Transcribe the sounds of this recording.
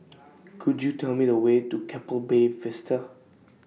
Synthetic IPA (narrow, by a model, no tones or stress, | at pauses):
kʰudjutʰɛlmidəwetukʰɛpəlbefɪstə